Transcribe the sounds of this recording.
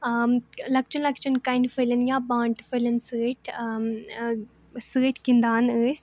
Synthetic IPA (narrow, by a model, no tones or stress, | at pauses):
lɐk̚t͡ʃʰɐnlɐkt͡ʃʰɐnkajɳɖfʰəlɐnjaːbãːɳʈfʰəlɐnsəːʈʲʰ | səːʈʰʲkind̪aːnəːsʲ